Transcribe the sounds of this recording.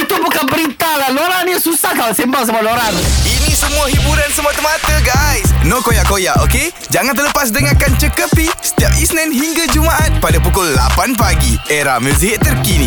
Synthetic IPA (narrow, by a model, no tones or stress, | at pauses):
it̪ubukanbəɾit̪alahloɾanisusahkalasembaŋsamualoɾaninĩsəmũaɦibuɾansəmũat̪əmat̪əɡajsnõkojaʔkojaʔo̰ke | d͡ʒaŋãnt̪ərləpas̬dəŋakant͡ʃəkəpisə̥t̪iap̚isnãnɦiŋɡad͡ʒumaʔat̪̚padapukʊlːa̰panpaɡieɾa̰hmə̃siɦɪt̪̚ːərkinḭ̃